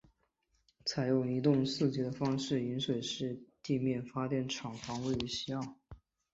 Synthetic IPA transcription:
t͡sʰa˧˥ɪjo˨˩ʊni˧˥t̪ʊ˥˧ŋsɹ̩˥˩t͡ɕi˧˥d̪ə˧fɑ˥ŋʂɻ̩˥˩i˧˥nʂwe˨˩ɪʂɻ̩˥˧t̪i˥˧mjɛ˥˩nfa˥t̪jɛ˥˩nʈ͡ʂʰɑ˨˩ŋfɑ˧˥ŋwe˥˩ɪy˧˥ɕi˥ɑ˥˩ŋ

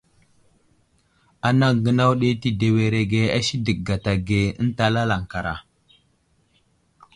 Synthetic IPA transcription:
a˨na˦ɡə˦na˦wɗe˦ti˨de˨we˨ɾe˨ɡe˦a˦si˦də˨k̚ɡa˨ta˨ɡe˨ə̰˦n˦ta˦la˦la˨ŋ˨ka˨ɾa̰˨

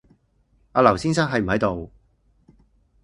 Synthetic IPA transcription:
aː˧lɐ˨˩wsiː˥nsaː˥ŋɦɐ˨˧jm̩˨˩ɦɐ˨˥jt̪o˨w

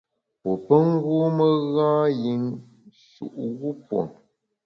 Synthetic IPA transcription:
po˨pə˦ŋ˦ɣu˦mə˦ɣãː˦ji˨ŋ | ʃṵ˨ʔɣu˦pwo̰˨ŋ

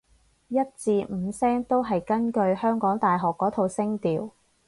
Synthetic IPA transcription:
jɐ˥t̚t͡siː˧m̩˨˧sɛː˥ŋt̪o˥wɦɐ˨jkɐ˥nkɵ˧ɥhœː˥ŋkɔː˨˥ŋt̪aː˨jɦɔː˨kːɔː˨˥t̪ʰo˨˧wsɪ˥ŋt̪iː˨w

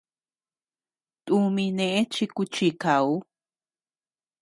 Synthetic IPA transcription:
t̪ʼu˧mĩ˧nẽʔe˦t͡ʃi˧ku˧t͡ʃi˧kau˦

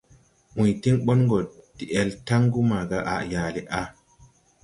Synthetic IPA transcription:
ʔũ˨jti˦ŋɓɔ˦nŋɡo˨d̥i˨ʔe˨lta˦ŋɡu˦ma˨ɡa˦ʔa̰˨ja˨li˨ʔa˦

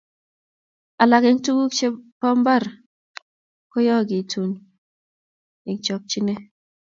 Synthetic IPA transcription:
a˨la˨ke˨ŋ˦tu˦ɡu˦kt͡ʃe˦pɔ˦m˦ba˦˨ɾ | ko˦jɔ˦˨ɡi˨tʰu˨n | i˨ŋ˦t͡ʃɔ˨k̚t͡ʃi˦ne˦

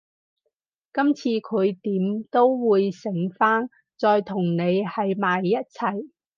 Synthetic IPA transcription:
kɐ˥mt͡sʰiː˧kʰɵ˨˧ɥt̪iː˨˥mt̪o˥wwuː˨˧jsɪ˨˥ŋfaː˥n | t͡sɔː˨˧jt̪ʰʊ˨˩ŋne˨˧jhɐ˨jmaː˨jːɐ˥t̚t͡sʰɐ˨˩j

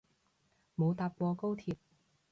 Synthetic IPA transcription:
mo˨˧wt̪aː˧p̚kʷɔː˧ko˥wt̪ʰiː˧p̚

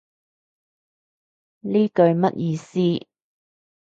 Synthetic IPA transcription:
liː˥kɵ˧ɥmɐ̰˥t̚jiː˧siː˥

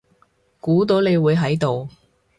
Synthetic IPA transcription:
kuː˨˥t̪̬o˨˥wne˨˧jwuː˨˧jɦɐ˨˥jt̪o˨w

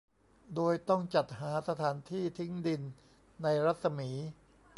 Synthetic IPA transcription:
doː˧jt̪ɔ˥˩ŋt͡ɕa˨˩t̪̚haː˩˦sa˧t̪ʰaː˩˦nt̪ʰiː˥˩t̪ʰi˦˥ŋdi˧nː | a˧jɾa˦˥t̪̚sa˧miː˩˦

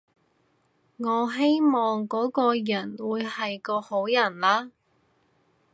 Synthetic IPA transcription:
ŋɔː˨˧ɦe˥jmɔː˨ŋkɔː˨˥kɔː˧jɐ˨˩nwuː˨˧jhɐ˨jkɔː˧ho˨˥wjɐ˨˩nlaː˥

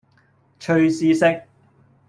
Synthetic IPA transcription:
t͡ʃʰɵ˧ɥsiː˧sɪ˥k̚

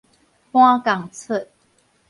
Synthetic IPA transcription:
hwã˦ka˨˩ŋt͡sʰə˥˨

